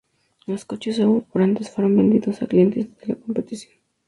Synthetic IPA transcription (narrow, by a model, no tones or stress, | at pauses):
laskot͡ʃes̬awopoɾant̪esfaɾombend̪iðosaklient̪esðelakompet̪isjon